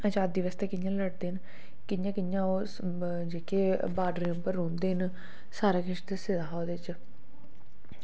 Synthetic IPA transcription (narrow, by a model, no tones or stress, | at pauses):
ət͡ʃaːt̪̚d̪iʋəst̪eːkɪnjãːləɖd̪eːn | kɪnjãːkɪnjãːo | d͡ʒeːkeː | baːɖɾiəmpəɾːõːnd̪eːn | saːɾaːkɪʃd̪esed̪aːɦaːd̪eːɪt͡ʃ